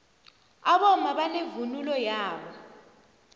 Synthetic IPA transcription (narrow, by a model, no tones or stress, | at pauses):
aɓɔmaɓanevunulɔjaːɓɔ